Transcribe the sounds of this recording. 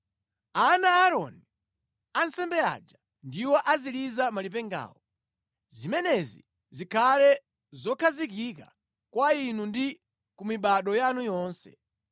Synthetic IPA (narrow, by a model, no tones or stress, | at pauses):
anaːɾɔnii | ansɛmbɛa̰d͡ʒa | ndiwɔʔazilizamalip̬ɛŋɡa̰ːwɔ | zimɛnɛzḭ | zikʰalɛ | zɔkʰazikika | kwainundi | kumiɓaɗɔjanujɔːnsɛ̰